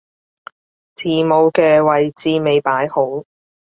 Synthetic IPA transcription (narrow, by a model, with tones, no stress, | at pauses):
t͡sʰiː˨˩mo˨˧wkɛː˧wɐ˨jt͡siː˧me˨˧jpaː˨˥jho˨˥w